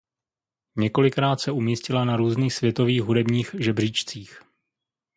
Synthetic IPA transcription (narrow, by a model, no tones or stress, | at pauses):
ɲɛko̞lɪkɾaːt̪sɛumiːscɪlanaɾuːzniːxsvjɛt̪o̞viːɣɦudɛbɲiːxʒɛbr̝iːt͡ʃt͡siːx